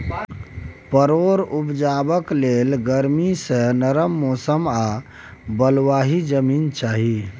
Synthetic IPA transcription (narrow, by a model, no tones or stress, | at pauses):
pəɾoɾupd͡ʒabəklelɡəɾmisə̃nəɾəmːosəma | bəlwaɦid͡ʒəmiːnt͡ʃaːɦi